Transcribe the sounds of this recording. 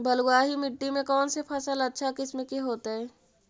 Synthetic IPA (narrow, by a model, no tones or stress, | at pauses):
bɐlɡaːɦimɪʈːimẽkɔːnsepʰɐsəlɐtːʃʰakɪsmẽkeɦoːt̪aɦɛː